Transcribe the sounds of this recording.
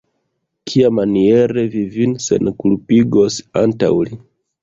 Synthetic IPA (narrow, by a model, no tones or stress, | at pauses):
kʰiamanie̞ɾe̞vivinse̞̰nkulpiɡo̞santa̰wli